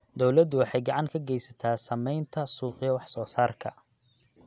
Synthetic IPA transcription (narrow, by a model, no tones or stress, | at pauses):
d̪ɔwlɐd̪ʊwɑħɑjɡɑʕɑŋkʰɐɡɛjsɐt̪ʰaːsɐmɛjnt̪ʰɐsuːqɪjɐwɑħsɔːsaːrkʰɐ